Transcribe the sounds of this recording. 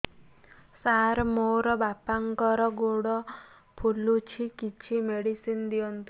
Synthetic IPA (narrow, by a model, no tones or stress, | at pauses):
saɾmoɾɔbapaŋkɔɾɔɡoɽɔ | pʰulut͡ʃʰikit͡ʃʰimeɽisind̪iɔnt̪i